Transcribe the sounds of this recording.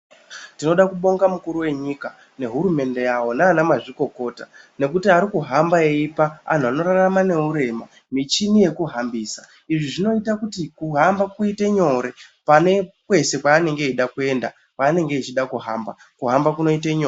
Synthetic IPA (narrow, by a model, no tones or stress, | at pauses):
tino̞ɗakuɓo̞ŋɡamukuɾuwe̞ɲika | ne̞ɦuɾume̞nde̞jawo̞naːnamaʐiko̞ko̞ːta | ne̞kutiaɾikuɦambaeipaa̰n̤uano̞ɾaramane̞uɾe̞ma | mit͡ʃinije̞kuɦambiːsa | iʐiʐino̞itakutikuɦambakuiteɲo̞ɾe̞pane̞kwe̞se̞kwaːne̞ŋɡe̞iɗakue̞nda | kwaːne̞ŋɡe̞it͡ʃiɗakuɦamba | kuɦambakuno̞itaɲoː